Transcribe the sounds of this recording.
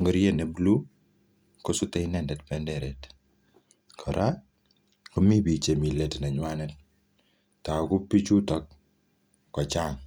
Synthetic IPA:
ŋɡɔɾjenɛblu | kɔsutɛjnɛndɛtpɛndɛɾɛt | kʰɔɾʔa | kɔmibit͡ʃemilɛtnaɲwanɛt̚ | takupit͡ʃutɔkː | ɔt͡ʃaŋ

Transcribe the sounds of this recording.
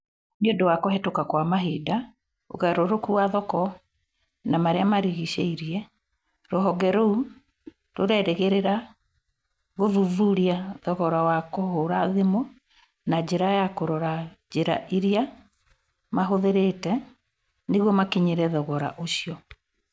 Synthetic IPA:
miodowakɔhɛtokakwamaɦida | o̰ɣaɾoɾokuwaðɔkɔ | namaɾeamaɾiɣiʃḛiɾiɛ | ɾɔɦɔɡɛɾou | ɾoɾɛɾeɣeɾeɾa | ɣoðuvuɾiaðɔɣɔɾawakohoɾaðemo | nad͡ʑeɾajakoɾɔɾad͡ʒeɾa̰ʔiɾia | maɦoðeɾetɛ | neɣwɔmakiɲeɾɛðɔɣɔɾa̰ʔoɕiɔ

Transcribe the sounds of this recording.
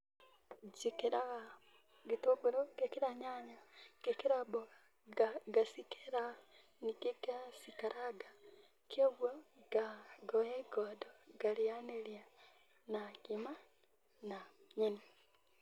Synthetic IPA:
d͡ʒikiɾaɣa | ɡitoɡuɾoɡekiɾaɲaɲaɡ̥ekiɾaboɣa | ɡasikeɾa | nikiɡaasikaɾaɡa | kʰoβwoɡ̥aɡojeɡodoɡ̥alijanelja | naɡima | naɲini

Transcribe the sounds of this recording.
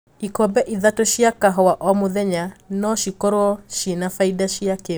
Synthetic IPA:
ikɔbɛʔiðatoʃiakaɦɔwaʔɔmoðɛɲanɔʃikɔɾoɔʃinafaidaʃiake

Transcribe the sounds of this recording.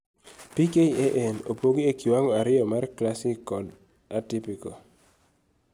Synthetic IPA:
pikeieʔɛnopoɡiekiwaŋɔaɾɪjɔmarklasikɔd | atipiko

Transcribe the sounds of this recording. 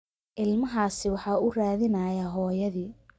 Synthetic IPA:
ʔɪlmɐɦaːsɪwɑħɑːʊraːðɪnɐjaɦɔːjɐðiː

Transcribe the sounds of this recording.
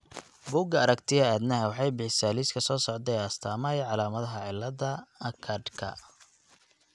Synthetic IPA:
buːɡɐɐɾɐkt̪ʰɪɣɐaːd̪nɐɦɛwɑħɑjbɪħɪsaːliːskʰɐsɔːsɔʕd̪ɛjɐst̪ʰaːmɐjʕɑlaːmɐðɐɦɐʕɪlːɐðɐɐkʰɐd̪kʰɐ̰

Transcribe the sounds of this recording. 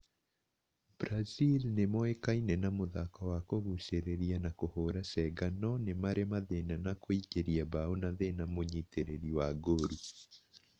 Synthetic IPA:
b̥ɾazilnemɔekainɛnamoðakɔwakoɣuseɾeɾianakohoɾasɛɡanɔnemaɾemaðenanakoikeɾiabaonaðenamoɲiteɾeɾiwaɡoɾu

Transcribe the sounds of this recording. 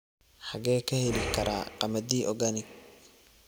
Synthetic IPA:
ħɑɣɛːkʰɐhɛlɪkʰɐɾʔa̰ːqɑmɐd̪iːʔɔɡanɪ

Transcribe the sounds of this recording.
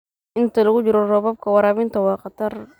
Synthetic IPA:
ʔɪnt̪ʰɐlɐɣʊd͡ʒɪɾɔrɔβɐb̚kʰɐwɐɾaːβɪnt̪ɐwɑːqɑt̪ɐr

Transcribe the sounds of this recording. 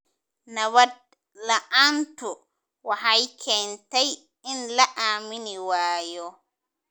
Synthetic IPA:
nɐβɐd̪̚ | lɐʔaːnt̪ʊ | wɑħɑjkʰɛːnt̪ɛj | ɪnlɐʔaːmɪnɪwaːjɔ

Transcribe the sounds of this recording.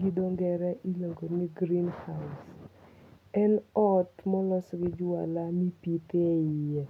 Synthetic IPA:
ɡidoŋɡɛɾɛʔiloŋɡoniɡɾinhas | ɛnɔtmɔlɔsɡɪd͡ʒwa̰lamipiteɪe

